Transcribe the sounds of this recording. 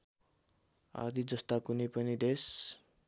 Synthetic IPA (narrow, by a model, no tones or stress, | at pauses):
a̰d̪id͡zʌst̪akunipʌnid̪es